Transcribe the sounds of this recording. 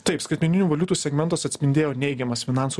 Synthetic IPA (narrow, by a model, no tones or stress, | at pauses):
t̪ɐɪpskɐɪt̪mʲɛnʲɪnʲuːʋɐlʲuːt̪uːsʲɛɡmʲɛnt̪ɐsɐt̪ʲsʲpʲɪnʲd̪ʲeːjoːnʲɛɪɡʲɛmɐsfʲɪnɑˑnsu